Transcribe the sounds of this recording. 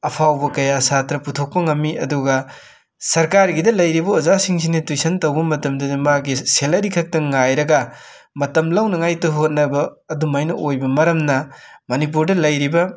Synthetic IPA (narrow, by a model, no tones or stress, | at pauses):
ɐpʰawbɐkɐjasatɾɐputʰok̚pɐŋɐmːiɐduɡɐ | sɐɾkaɾɡidɐlɐjɾibɐozasiŋs̬initujsʰɐntɐwbɐmɐtɐmdɐdimaɡiselɐɾikʰɐk̚tɐŋajɾɐɡɐmɐtɐmlɐwnɐŋajtɐɦot̚nɐbɐː | dumajnɐʔojbɐmɐɾɐmnɐmɐnip̬uɾdɐlɐjɾibɐ